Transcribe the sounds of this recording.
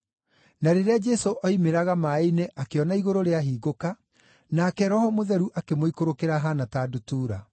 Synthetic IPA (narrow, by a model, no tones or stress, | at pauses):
naɾeɾead͡ʒɛsoʔɔimeɾaɣamaineʔakeɔnaiɣoɾoɾeaɦiːɣoka | nakɛɾɔhɔmoðɛɾuʔakemoikoɾokeɾaɦanataːdutuːɾa